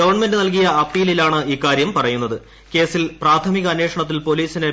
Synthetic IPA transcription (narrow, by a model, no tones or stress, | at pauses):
ɐʋɐrɳɐmendɨnɐlk̬ijɐɐpːiːlilaːɳɨiːkaːɾjɐmpɐrɐjun̪ːɐðɨ | ke̞ːsilpraːt̪ʰɐmiɣɐːnːe̞ːkʂɐɳɐt̪̬ːilpo̞liːsine